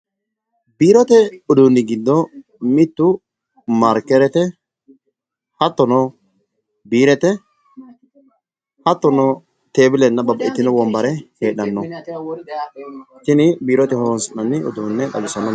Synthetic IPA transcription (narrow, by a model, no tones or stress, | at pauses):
biːɾɔt̪ɛʊd̪uːnːɪɡɪd̪ːɔ | mɪt̪ːʊ | mɐɾkːɛɾɛt̪ɛ | hɐt̪ːɔnɔ | biːɾɛt̪ɛ | hɐt̪ːɔnɔ | t̪e̞ːbɪlɛnːɐbɐbɐʔɪt̪ːɪnɔwɔmbɐɾɛheːɗɐnːɔ | ʃɪnɪbiːɾɔt̪ɛhonsɪnːɐnːɪʊ̰d̪uːnːɛdɐ̰lɪsɐnːɔ